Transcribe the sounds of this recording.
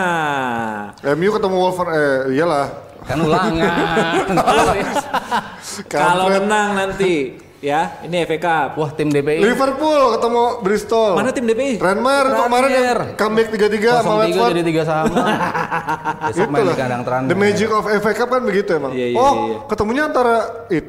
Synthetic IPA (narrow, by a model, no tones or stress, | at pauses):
ɛmjukət̪əmɔwɔlfərɛijalah | kanulaŋɲ | kaalokənaŋnant̪i | jainiɛfekapwaht̪ɪmdepelifərpulkət̪əmɔbɾist̪ɔlmanat̪ɪmdepeiɾɛnmɛrut̪ukəmaɾɛnjaŋrkamk̚t̪iɡat̪iɡaalɛɡədit̪iɡasama | ɡimlakadaŋt̪əɾandəmɛd͡ʒɪkɔfɛfekap̚kanbəɡit̪uamaŋaijɔhkət̪əmuɲaːnt̪aɾait̪̚